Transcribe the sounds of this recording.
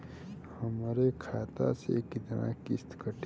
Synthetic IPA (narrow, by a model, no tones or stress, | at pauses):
həmɾekʰaːt̪a̰sḛkɪt̪na̰kɪst̪kəʈ